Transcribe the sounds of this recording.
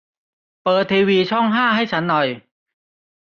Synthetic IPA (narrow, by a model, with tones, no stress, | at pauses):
pɤː˨˩t̪ʰːeː˧wiː˧t͡ɕʰɔ˥˩ŋɦaː˥˩ɦa˥˩jt͡ɕʰa˦˥nːɔ˨˩j